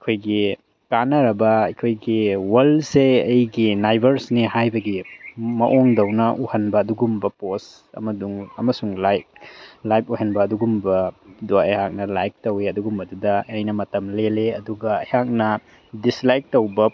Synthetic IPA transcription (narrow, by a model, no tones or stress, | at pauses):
ɐkʰojɡi | kanɐɾɐbɐɐjkʰojɡiwɐlseɐjɡinajbɐɾsniɦajbɐɡimɐ̰ʔoŋdɐwnɐʔuhɐnbɐːduɡumbɐpos | ɐ̰mɐduŋɐ̰mɐsuŋlajk̚lajp̚uɦɐnbɐːduɡumbɐdoɐ̰jhak̚nɐlajk̚tɐweɐduɡumbɐdudɐɐjnɐmɐtɐmleleɐduɡɐɐjhak̚nɐ | dislajk̚towbɐ